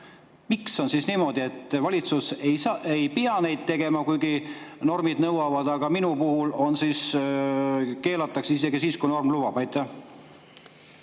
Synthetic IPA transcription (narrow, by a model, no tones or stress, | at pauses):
mikso̞nsiːsniːmo̞d̪ie̞t̪ːˑvɑlʲit̪suseejpiɑne̞jd̪̥̚t̪e̞ɡ̥e̞mɑkujɡ̥ino̞rmid̪nɤwɑvɑd̪̥ɑɡ̥ɑminupuhulo̞nsiːs | ke̞ːlɑt̪ːˑɑksise̞ɡisiːskujno̞rmluvɑb̥ɑjt̪ːˑɑ